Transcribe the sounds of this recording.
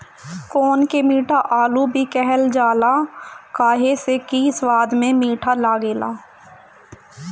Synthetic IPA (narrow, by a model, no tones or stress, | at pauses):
koːnkemiːʈʰaʔaːlubʱikɛɦɛld͡ʒaːlakaːɦesekiːswaːd̪mẽmiːʈʰalaːɡeːla̰ː